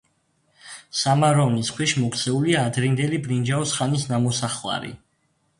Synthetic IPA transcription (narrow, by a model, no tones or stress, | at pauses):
samaɾɔniskʰwɛʃmɔkʰt̪sʰɛuliaːd̪ɾind̪ɛlibɾind͡ʒaɔsχanisnamɔsaχwa̰ɾḭ